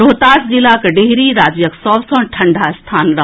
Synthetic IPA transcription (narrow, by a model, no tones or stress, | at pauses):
ɾoːt̪aːsd͡ʒilakeɖeɦɾiɾaːd͡ʒjəksɔbsɔ̃nʈʰɐɳɖast̪ʰaːnɾə